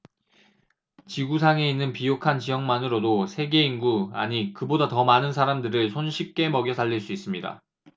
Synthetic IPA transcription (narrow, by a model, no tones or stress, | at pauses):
t͡ɕiɡusʰaŋe̞inːɯnpijokʰant͡ɕijʌŋmanɯɾodosʰe̞ɡe̞inɡua̰ɲikɯbodatʌmanɯnsʰaɾamdɯɾɯɭsʰonɕʰik̚k͈e̞mʌɡjʌsʰaʎːiɭs͈uis͈ɯmɲida̰